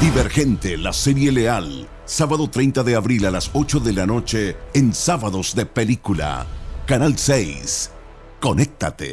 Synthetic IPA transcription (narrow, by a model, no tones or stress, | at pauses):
d̪iβe̞ɾxe̞nt̪elase̞ɾje̞leal | saβaðo̞t̪ɾe̞jnt̪aðe̞aβɾilalaso̞t͡ʃo̞ðe̞lano̞t͡ʃeːnsaβaðo̞zðe̞pe̞likula̰kanalsejs | ko̞nek̚t̪at̪ḛ